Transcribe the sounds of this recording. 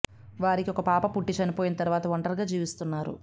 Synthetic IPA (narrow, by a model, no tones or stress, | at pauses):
ʋaːɾikiɔkɐpaːpɐpuʈːit͡ʃɐnipo̞ːjinɐt̪ɐɾuʋaːt̪ɐʋɐɳʈɐɾɡaːd͡ʒiːʋist̪unːaːɾṵ